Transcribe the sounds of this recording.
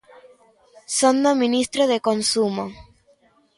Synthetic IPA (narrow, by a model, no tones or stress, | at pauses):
sond̪omĩnist̪ɾoðekonsumo